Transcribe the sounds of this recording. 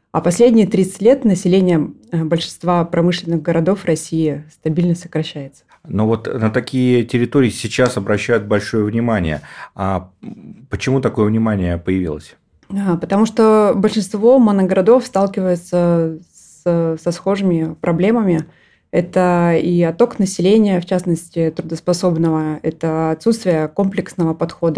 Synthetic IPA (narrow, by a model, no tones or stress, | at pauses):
ɐpɐsʲlʲedʲnʲɪjət̪ɾʲit̪sɨ̥tʲlʲet̪nəsʲɪlʲenʲɪjəbəlʲʂɨnst̪vapɾɐmɨʂlʲɪnɨɣɡəɾɐd̪o̞frɐsʲiɪst̪ɐbʲilʲnəsəkɾɐɕːæjɪt̪sə̥ | novo̞t̪nət̪ɐkʲijətʲɪɾʲɪt̪oɾʲɪːɪsʲɪt͡ɕasɐbɾɐɕːæjʊt̪̚bɐlʲʂo̞jəvnʲɪmanʲɪ̰jə̰a | pət͡ɕɪmut̪ɐko̞jəvnʲɪmanʲɪjəpəjɪvʲḭlˠə̰sʲ | apət̪ɐmuʂt̪obəlʲʂɨnst̪vo̞mənəɡɾɐd̪o̞fst̪alˠkʲɪvəjɪt̪səssɐsxo̞ʐɨmʲɪpɾɐblʲe̞məmʲɪ | ɛt̪əiɐt̪o̞knəsʲɪlʲenʲɪjəft͡ɕasnəsʲtʲɪt̪ɾʊd̪əspɐso̞bnəvəɛt̪əɐt̪sut̪st̪vʲɪjəko̞mplʲɪksnəvəpɐt̪xo̞d̪ə